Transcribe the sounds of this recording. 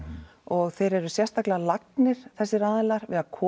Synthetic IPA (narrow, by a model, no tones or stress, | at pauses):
ɔɣθejɾɛɾʏsjɛrst̪aklɪalaknɪɾ̥θɛsːɪɾaːðɪlaɾ̥vɪðaðkʰɔː